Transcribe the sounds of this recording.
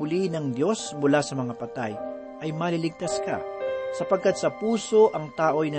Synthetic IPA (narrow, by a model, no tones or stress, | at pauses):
ʊlinɐŋd̪jo̞smʊlasɐmɐŋapɐt̪a̰j | ʔɐjmɐlilɪɡ̚t̪ɐskɐ̰sɐpɐɡ̚kat̪̚sɐpuːso̞ʔɐŋt̪aːʔo̞jnɐ